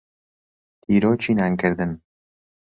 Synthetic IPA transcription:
t̪ʰiːɾoːt͡ʃʰiːnaːnkɨɾd̪ɨn

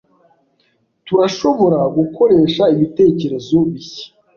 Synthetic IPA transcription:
tuɾaʃo̞βo̞ɾaɡukʰo̞ɾe̞ːʃaiβite̞ːce̞ɾe̞zo̞βiçe̥

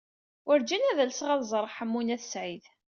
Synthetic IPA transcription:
əɾd͡ʒænæðælsʁæðzˤəɾˤħəmːunæθsʕið

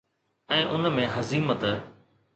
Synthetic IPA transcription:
ɛ̃ːʔʊnmẽɦɐziːmət̪ə

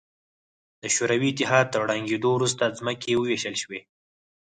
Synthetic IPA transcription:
d̪̥əʃoɾawiːt̪ɪɦɑd̪̚t̪əɾɽaŋɡed̪owɾust̪azməkewəweʃəlʃwe

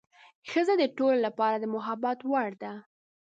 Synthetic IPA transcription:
xəzad̪əʈololapɑɾad̪əmʊɦabat̪waɽd̪a

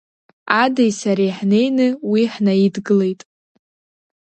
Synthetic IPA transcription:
adajsaɾejħne̞jnɨwiħnaidɡɨle̞jtʼ

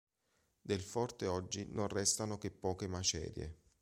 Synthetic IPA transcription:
d̪elfɔrt̪eɔd͡ʒːinonrɛst̪anokepːɔːkemat͡ʃɛ̰ːɾjḛ

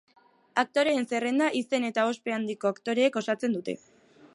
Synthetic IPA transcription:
ak̚t̪o̞ɾe̞ːnse̞re̞nd̪aʔise̞ne̞t̪ao̞spe̞and̪iko̞akt̪o̞ɾe̞ːko̞sat͡se̞nd̪ut̪e̞̰

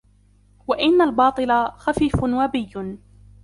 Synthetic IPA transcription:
waʔɪnːalbɑːt̪ˤɨlaxafiːfʊnwabɪjːʊn

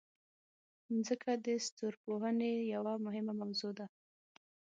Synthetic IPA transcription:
nzəkʰad̪əst̪oɾpoɦənejawamʊɦɪmamawzod̪a

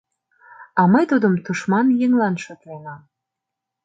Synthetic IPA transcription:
ɑməjt̪ud̪əmt̪uʃmɑnjeŋlɑnʃøt̪lenɑm

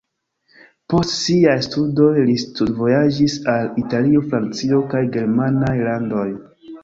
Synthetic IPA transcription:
po̞stsiajstudo̞jlistudvo̞jad͡ʒisalitalio̞fɾant͡sio̞kajɡe̞ɾmanajlando̞j

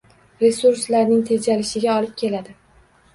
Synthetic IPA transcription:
ɾe̞suɾslaɾnɪŋt̪ʰe̞d͡ʒalɪʃɪɡʲaɒlɪp̚kʲʰe̞lad̪ɪ

